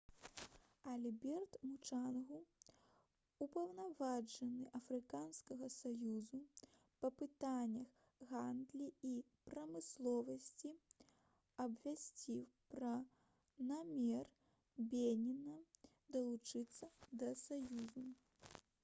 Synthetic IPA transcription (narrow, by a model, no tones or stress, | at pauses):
ɐlʲbʲɛrt̪mut͡ʂanɣu | upɐwnavad͡ʐɐnɨʔɐfɾɨkanskɐɣɐsajuzu | pɐpɨt̪anʲːɐx | ɣand̪lʲii | pɾɐmɨslˠɔvɐsʲt͡sʲi | ɐbvʲasʲt͡sʲiwpɾɐ | namʲɛr | bʲenʲinɐ | d̪ɐlˠut͡ʂɨt̪sːɐd̪ɐsajuzu